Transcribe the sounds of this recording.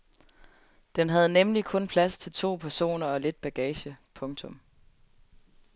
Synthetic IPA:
d̥enɦæð̞̩ˠnemlikʰɔ̽npʰlæst͡sʰe̝lt͡sʰo̝̰ːpʰæɐso̝̰ːnɐɒ̽le̝d̥̚b̥æɡ̥ɛːɕəpʰɔ̽ŋt͡sʰɔ̽m

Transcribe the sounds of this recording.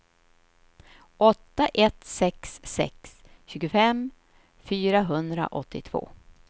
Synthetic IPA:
ʔɔt̪ːaʔɛt̪sɛksːɛ̰ksɕʉ̟ːɡʊfɛm | fyːɾaɦɵnd̪ɾa̰ʔɔt̪ʰːɪt̪ʰv̥o̰ː

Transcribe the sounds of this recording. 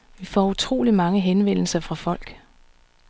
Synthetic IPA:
ʋifɒ̰ːut͡sʰʁo̝̰ːlimɑ̈ŋəɦenʋen̰l̩sɐfʁɑ̈fɒ̽l̰ɡ̥

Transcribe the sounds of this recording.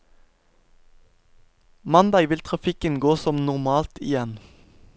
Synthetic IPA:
mɑnd̪ɑːɡʋɪlt̪ʰʁɑfɪkənɡoːsɔmnʊʁmɑːlt̪ɪ̰jɛn

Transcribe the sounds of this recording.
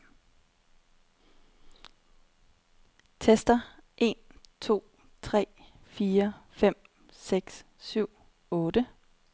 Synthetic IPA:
t͡sʰesd̥ɐʔe̝ːnt͡sʰo̝̰ː | t͡sʰʁɛ̰ː | fiːɐfem̰ | seɡ̥s | syʊ̰ | ɔ̽ːd̥ə

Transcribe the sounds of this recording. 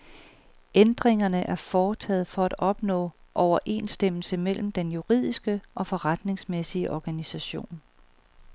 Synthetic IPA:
end̥ʁeŋɐnəʔæɐfɒːt͡sʰɛ̰ːð̩ˠfɒ̽æd̥ɒ̽b̥nɔ̰̽ːʔɒʊɐʔe̝̰ːnsd̥em̰l̩səmel̰m̩d̥enjuʁið̞̰ˠisɡ̥əʔɒ̽fɒ̽ʁɑd̥ne̝ŋsmesiəʔɒɡ̥ænisæɕo̝̰ːn

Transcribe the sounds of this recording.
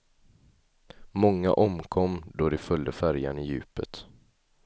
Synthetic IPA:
mɔŋːa̰ʔɔmkʰɔmːd̪ɔd̪ɛfœld̪əfæɾjanɪjʉ̟ːpət̪

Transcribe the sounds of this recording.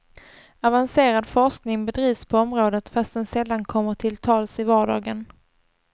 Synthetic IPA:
avanseːɾad̪fɔʂknɪŋbɛd̪ɾiːvspʰɔɔmɾoːd̪ət̪fast̪ɛnsɛlːankʰɔmːəʈʰɪlt̪ʰɑːlsɪvɑːɖɑːɡən

